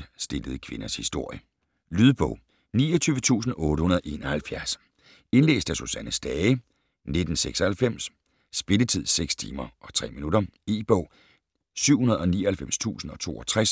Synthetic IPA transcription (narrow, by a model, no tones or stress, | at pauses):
sd̥e̝ləð̞̩ˠkʰʋe̝nɐshisd̥o̝ɐ̰jə | lyðˠb̥ɔ̽ʊ̰ | niːɒt͡sʰyːʋət͡sʰṵːsn̩ɔ̽ːɾəhunɐð̞̩ˠe̝̰ːnɒhælfjæɐs | e̝nle̝̰ːsd̥æsusænəsd̥ɛːɪ | ne̝d̥n̩seɡ̥sɒ̽hælfem̰s | sb̥e̝lət͡sʰið̞̰ˠseɡ̥st͡sʰḭːmɐʔɒ̽t͡sʰʁɛ̰ːminuɾɐeːb̥ɔʊ̰ | syʊ̰hunɐð̩ˠɒ̽nḭːɒ̽hælfem̰st͡sʰṵːsn̩ɒ̽t͡sʰo̝̰ːɒ̽t͡sʰʁas